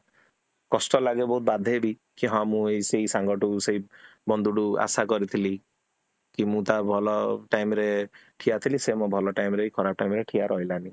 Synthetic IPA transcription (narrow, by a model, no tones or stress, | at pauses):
kɔsʈɔlaɡebɔɦut̪̚bad̪ʱebi | kiɦɔ̃mũejsejsaŋɡɔʈusejbɔnd̪ʱuɽua̰sakɔɾit̪ʰili | kimũt̪abʱɔlɔʈajmɾeʈʰiat̪ʰilisemõbʱɔlɔʈajmɾejkʰɔɾap̚ʈajmɾeʈʰiaɾʔɔɦilani